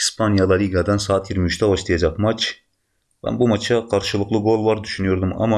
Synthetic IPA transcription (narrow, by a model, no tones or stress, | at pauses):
ispʰɑnjɑlˠɑɾiɡɑd̪ɑnsɑːt̪jiɾmiyt͡ʃt̪ʰɛwɑʃt̪ʰijɛd͡ʒɛkmɑt͡ʃ | bɛ̰nbumɑt͡ʃʰɑqʰɑɾʃɨlˠɯqlˠɯɡolˠvɑɾd̪yʃynyjoɾd̪umɑ̰mɑ